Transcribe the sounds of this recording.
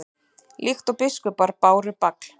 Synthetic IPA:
lʔixt̪opɪskʏpaɾpaːwɾɪpakl̥

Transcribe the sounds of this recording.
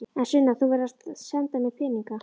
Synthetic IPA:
ɛnsʏnːaθuvɛɾast̪sɛnt̪anːɪfʰɛːniŋka

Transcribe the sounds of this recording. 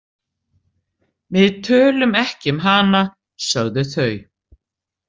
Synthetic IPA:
vɪðt̪ʰœːlʏmɛhcɪmɦana | sœɣðʏθœːɥ

